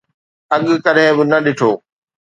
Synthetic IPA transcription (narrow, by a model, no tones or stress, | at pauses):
ɐɠkɐɗɦẽbɪnɐɗɪʈʰoː